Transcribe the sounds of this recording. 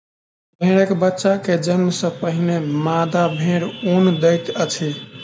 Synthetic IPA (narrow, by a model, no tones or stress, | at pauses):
bʱeɾəkbətːʃaked͡ʒənmsə̃pəɦinemad̪abʱẽɾond̪əjt̪ət͡ʃʰi